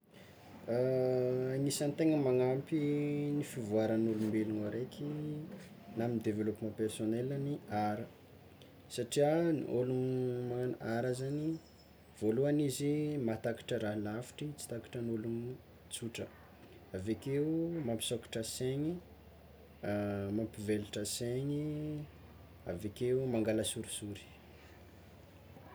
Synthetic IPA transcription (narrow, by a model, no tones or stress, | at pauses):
ŋisanit̪eŋəmaŋampinifivuaɾənulumbeluŋoɾekʰʲi | naminid̪evelopimãpersonelaniʔaɾə | saʈ͡ʂianḭʔolunmaanʔaɾazani | v̥oluanizimat̪aki̥ʈ͡ʂəɾaɦlafi̥ʈ͡ʂit͡si̥t̪aki̥ʈ͡ʂənolum | t͡suʈ͡ʂə̰ | avekeumampi̥soki̥ʈ͡ʂəseɲi | mampiveluʈ͡ʂəseɲi | avekeumaŋɡaləsuɾisuɾi̥